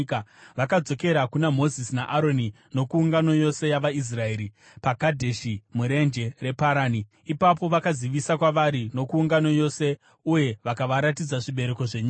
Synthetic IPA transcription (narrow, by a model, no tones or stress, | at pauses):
kaʋakad͡zo̞ke̞ɾakunamo̞zisinaʔaɾo̞ni | no̞kuːŋɡano̞jo̞se̞jaʋais̬rae̞ːɾi | paɡadʱeʃimuɾe̞nd͡ʒe̞re̞paɾaːni | ipap̬o̞ʋakaziʋisakwaʋaɾino̞kuːŋɡano̞jo̞se̞ | uje̞ʋakaʋaɾatid͡zaʐiɓe̞ɾe̞ko̞ʐeɲia